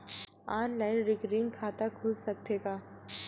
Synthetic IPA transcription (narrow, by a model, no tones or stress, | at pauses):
aːnlaːɪnɾɪɡɾiːnkʰaːt̪akʰʊlsɐk̚t̪eːɡaː